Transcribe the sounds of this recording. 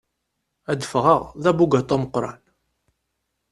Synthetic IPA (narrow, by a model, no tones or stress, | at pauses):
æd̪əfʁə̰ʁðæbuɡæt̪ˤːɑməqːɾˤɑ̰n